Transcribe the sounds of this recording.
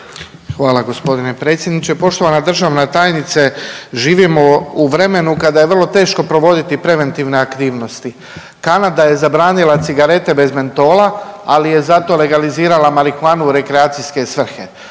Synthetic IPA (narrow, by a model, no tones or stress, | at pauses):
xʋaːlaɡo̞spo̞d̪ine̞pɾe̞ːt̪sʲje̞d̪nit͡ɕe̞po̞ʃt̪o̞ʋanad̪r̩ʒaʋnat̪aːjnit̪seʒiːʋimo̞uʋɾe̞me̞nukad̪aje̞ʋrlˠo̞t̪e̞ːʃko̞pɾo̞ʋo̞d̪it̪ipɾe̞ʋe̞nt̪iʋne̞akt̪iːʋno̞st̪i | kanad̪aje̞zabɾaːnilat̪siɡaɾe̞t̪e̞be̞zme̞nt̪o̞ːlaa̰lije̞zat̪o̞le̞ɡaliziːɾalamaɾixuaːnuɾe̞kɾeaːt̪sijske̞sʋr̩xe̞̰